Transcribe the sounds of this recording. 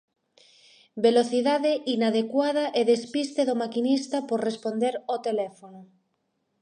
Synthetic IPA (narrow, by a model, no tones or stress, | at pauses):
beloθiðaðeʔinaðekwað̞aʔeðespist̪eðomakinist̪apoɾrespond̪eɾot̪elɛfono